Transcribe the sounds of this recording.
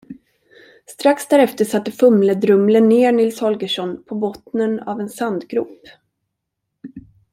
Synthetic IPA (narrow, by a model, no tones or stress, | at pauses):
st̪ɾaksd̪æːɾɛft̪əʂat̪ːəfɵmləd̪ɾɵmlənːeːɳɪlshɔlɡəʂɔnpʰɔbɔt̪nəna̰vɛnsand̪ɡɾʉ̰ːp